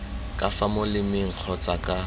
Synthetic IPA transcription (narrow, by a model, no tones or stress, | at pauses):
kʼafamʊlɪmɪŋ̩k͡xʰɔt͡sʼakʼa